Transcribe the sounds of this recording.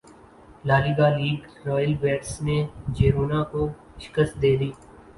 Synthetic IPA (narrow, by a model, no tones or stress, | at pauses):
laːliːɡaːliːɡɾɔːjəlʋeːʈsned͡ʒeːɾuːnako | ʃɪ̥kəsd̪eːd̪iː